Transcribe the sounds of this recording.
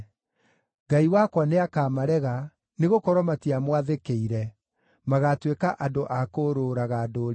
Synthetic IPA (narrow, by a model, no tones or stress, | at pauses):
ɡaiwakwaneakaːmaɾɛɣa | neɣokɔɾwɔmatiamwaðekeiɾɛ | maɣatwekaʔadoʔakoɾoɾaɣadoɾ